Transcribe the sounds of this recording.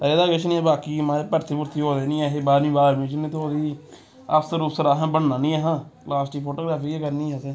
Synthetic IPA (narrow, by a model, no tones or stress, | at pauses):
t̪ãːeːd̪aːɡet͡ʃʰnĩːɛːbaːkiːmãːɾeːpəɾt̪ʰiːpʊɾt̪ʰiːɦoːd̪eːnĩːɛːɦeːbaːɾmĩːbaːɾmĩːt͡ʃɪnẽːt̪oːd̪iː | ə̰fsəɾʊsəɾaːɦãːbəɽnãːnĩːɛːɦãːlaːsʈiːpʰoːʈoːɡɾaːpʰiːkeːkəɾniːɛseː